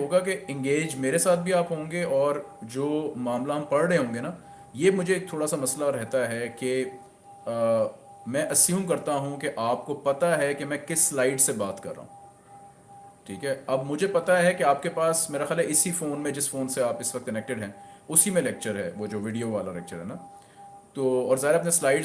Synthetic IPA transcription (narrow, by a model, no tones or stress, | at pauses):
ɦoːɡakeɪ̃ŋɡeːd͡ʒmeːɾesaːt̪̚ʰbʱiaːpɦõːŋɡeɔːɾd͡ʒoːmaːmlaɦɐmpɐɽɽeɦõːŋɡena | jemʊd͡ʒʱeːk̚t̪ʰoːɽasamɐslaɾɛɦt̪aɦɛke | mɛ̃ːʔɐsjũːmkɐɾt̪aɦũkeʔaːp̚kopɐt̪aɦɛkemɛ̃ːkɪsːlaːɪɖsebaːt̪kɐ̰ɾːa̰ːɦũ | ʈʰiːkɦɛɐbmʊd͡ʒʱepɐt̪aɦɛkeaːp̚kepaːsmeːɾaxjaːlɦɛɪsifoːnmẽd͡ʒɪsfoːnseaːpɪsʋɐk̚t̪̚kɐnɛːk̚ʈɪɖɦɛ̃ːʊsimẽlɛk̚t͡ʃəɾɦɛʋod͡ʒoːʋɪɖijoʋaːlalɛ̰k̚t͡ʃəɾɦɛna | t̪oːɔːɾzaːɦɪɾeaːpneslaːɪɖ